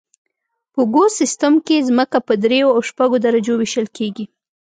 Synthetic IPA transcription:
pəɡosɪst̪amkezməkapəd̪ɾejoawʃpaɡod̪aɾad͡ʒowiʃəlkeɡi

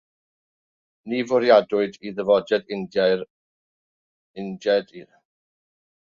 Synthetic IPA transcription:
nivʊɾjadʊɨdiðəvɔdɛdɪn | ɪndɛdi

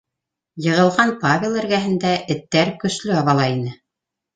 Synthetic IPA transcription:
jɤ̆ʁɤ̆lˠʁɑnpavʲɪlˠæ̆ɾɡæɦɘ̆nd̪æʔɘ̆t̪ːæɾkɵ̆slɵɑβɑlˠɑinɘ

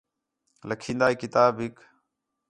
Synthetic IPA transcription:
ləkʰĩːnd̪aːiːkɪt̪aːbɦɪk

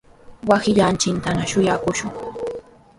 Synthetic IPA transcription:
wasɪʎant͡ʃɪnt̪anaʃʊjakʊʃʊŋ

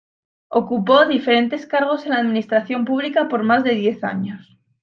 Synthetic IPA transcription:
okupo̞ðife̞ɾe̞nt̪e̞skaɾɣ̞o̞se̞nlaːðmĩnist̪ɾaθjo̞mpuβ̞likapo̞ɾmazðe̞ðje̞θa̰ɲo̞s

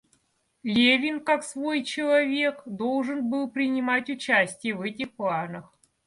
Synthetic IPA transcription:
lʲevʲɪnkaksvo̞jt͡ɕɪlˠɐvʲe̞kd̪o̞lˠʐɨnbɨlˠpɾʲɪnʲɪmatʲʊt͡ɕæsʲtʲɪjəvɛtʲɪxplˠanəx

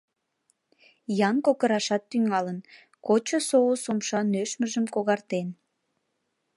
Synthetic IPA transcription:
jɑnkokəɾɑʃɑt̪ːyŋɑlən | kot͡ɕosoosomʃɑnøʃməʒəmkoɣɑrt̪en

